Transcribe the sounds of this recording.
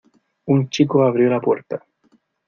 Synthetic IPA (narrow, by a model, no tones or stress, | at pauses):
unt͡ʃikuvavɾilapurt̪ə